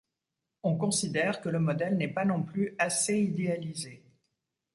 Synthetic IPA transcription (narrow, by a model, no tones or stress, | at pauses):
ɔ̃kɔ̃sid̪ɛʁkələmɔd̪ɛlnɛpanɔ̃plyaseid̪ealize